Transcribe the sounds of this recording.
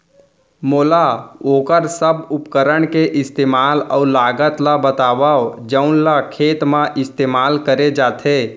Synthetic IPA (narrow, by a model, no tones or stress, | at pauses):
moːlaoːkəɾsəbʊpkəɾəɳ̃keʔɪst̪eːmaːlɔːɾlaːɡət̪labət̪aːbaod͡ʒəʊnlakʰeːt̪mãʔɪst̪eːmaːlkəɾed͡ʒaːt̪ʰeː